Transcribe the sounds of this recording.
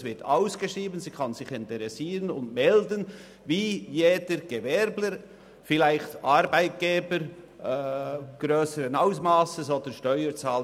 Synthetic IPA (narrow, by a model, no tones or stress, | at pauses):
svɪta̰ʊsɡ̥eʃʁiːbənziːkʰɑnzɪçɪntəɾɛsiːɾənʊndmɛldən | viːjeːdəɾɡ̥evɛɾbləɾ | fɪlaɪxtʔɑɾbaɪt̚ɡ̥eːbəɾ | ɡ̥ɾøːsəɾənaʊsmɑːsəsoːd̥ənʃtœʏət͡sɑːlə